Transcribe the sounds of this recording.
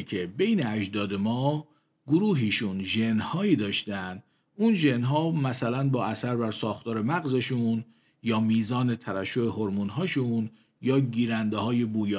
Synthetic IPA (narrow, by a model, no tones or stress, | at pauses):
cʰe̞be̞jneæd͡ʒd̪ɒːd̪e̞mɒː | ɡoɾuːɦiːʃunʒenhɒːiːd̪ɒːʃt̪ænd̪ | uːnʒe̞nɦɒːmæsælænbɒːʔæsæɾbæɾsɒːxt̪ʰɒːɾe̞mæɣzeʃun | jɒːmiːzɒːne̞t̪ʰæɾæʃːoe̞ɦo̞ɾmuːnɦɒːʃun | jɒːɟiːɾænd̪ehɒːje̞buːjː